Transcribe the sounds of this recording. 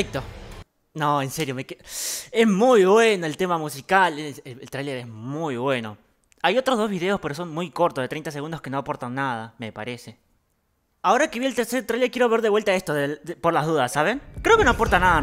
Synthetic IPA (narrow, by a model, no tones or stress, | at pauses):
ik̚t̪o | noense̞ɾjomekee̞zmujβwe̞no̞elt̪e̞mamusikaleeelt̪ɾajle̞ɾe̞zmujβwe̞no̞ | ajo̞t̪ɾozðo̞zβiðe̞o̞spe̞ɾos̬o̞ŋmujko̞ɾt̪oðet̪ɾejnt̪as̬eɣund̪o̞ske̞no̞apo̞ɾt̪aŋnað̞ame̞pa̰ɾe̞se̞ | ao̞ɾakeβjielt̪eɾse̞ɾot̪ɾajlekje̞ɾo̞β̞e̞ɾðe̞βwe̞lt̪ae̞st̪oðeðpo̞ɾlazðuðasːaβenkɾe̞oke̞no̞apo̞ɾt̪anaða